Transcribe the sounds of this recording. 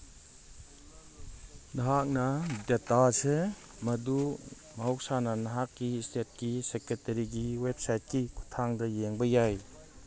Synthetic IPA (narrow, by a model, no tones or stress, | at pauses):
naɦak̚nɐdetasɯ | mɐdu | maɦɔk̚sanɐnaɦakːistet̚kiseketɐɾiɡiwep̚sajt̚kikʰu̥tʰaŋdɐjeŋbɐjaj